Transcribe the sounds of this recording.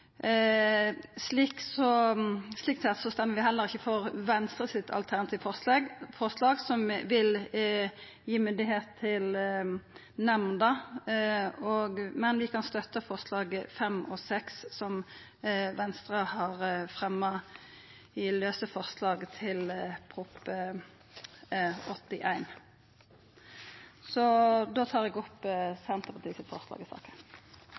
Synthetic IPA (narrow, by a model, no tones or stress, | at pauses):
sliːksɔsliːkt̪sɛt̪sɔst̪ɛmːəʁʋɪɦɛlːəʁɪçːəfɔʁʋɛnst̪ʁəsɪt̪ʰɑ̰lt̪ʰæʁnɑt̪ʰiːʋfɔlɑɡfɔʁslɑːɡsɔmʋɪl | jiːmʉnd̪ɪɦeːt̪ʰːɪl | nɛmnd̪ɑ | ɔɡmɛnʋɪkʰɑnst̪œt̪ːəfɔʁslɑːɡfɛmʔɔsɛksːɔm | ʋɛnst̪ʁɑhɑʁfʁɛmːɑ | ɪløːsəfɔʁslɑːɡt̪ʰɪlpʰʁʊp | ɔt̪ːɪʔæɪn | sɔd̪oːt̪ʰɑːʁɛɡɔpsɛnt̪əpʰɑt̪ʰiːsɪt̪fɔ̰ʁslɑ̰ːɡəsɑ̰ːkə̥